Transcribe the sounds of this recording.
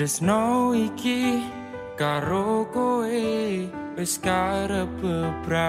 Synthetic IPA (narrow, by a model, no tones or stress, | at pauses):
əsnowiki | kaɾokoe | weskaɾəbəb̥ɾa